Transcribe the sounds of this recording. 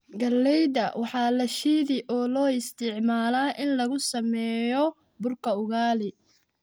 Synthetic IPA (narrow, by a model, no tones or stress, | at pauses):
ɡɐlːɛjdɐwʔɑħɑːlɐʃiːðɪʔɔːlɔːɪst̪ʰɪʕmaːlaːʔɪnlɐɣʊsɐmɛːjɔ | bʊrkʰɐʊɣaːlɪ